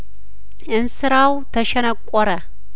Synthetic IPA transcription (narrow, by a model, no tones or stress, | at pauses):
ʔɨnsɨɾawt̪ʰɐʃɛnɐkʷʼːɔɾɐ